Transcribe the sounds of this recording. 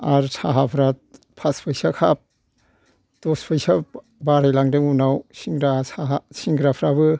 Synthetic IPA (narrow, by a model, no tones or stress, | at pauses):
aɾsʰaɦapʰɾat | pʰaspʰɯjsakʰap̚ | tɔspʰɯjsa | baɾajlaŋdɯŋunawsiŋɡɾasaɦasiŋɡɾapʰɾabɯ